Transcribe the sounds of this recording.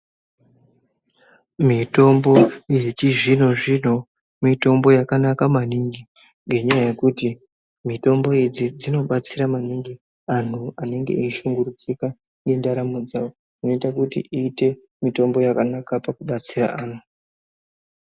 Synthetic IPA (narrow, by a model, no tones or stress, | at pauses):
mito̞mbo̞jit͡ʃiʐin̤o̞ʐin̤o̞ | mito̞mbo̞jakanakamaniŋɡi | ŋɡe̞ɲajaje̞kuti | mito̞mbo̞id͡zid͡zino̞ɓat͡siɾamaniŋɡi | an̤uane̞ŋɡe̞̰ʔiʃuŋɡuɾud͡zika | ŋɡe̞ndaɾamud͡zao | ino̞itakutḭʔiːte̞ | mito̞mbo̞jakanakapakuɓat͡sira̰aːn̤u